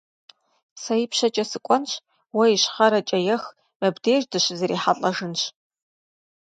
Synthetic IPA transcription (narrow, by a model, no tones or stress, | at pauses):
sɐjipʰʃɐt͡ʃʼɐsɨkʷʼɔnɕ | wɐiɕχɐɾɐt͡ʃʼɐjɛx | mɐbdeːʒdɨʃzɐɾiːħaɬʼɐʒɨnɕ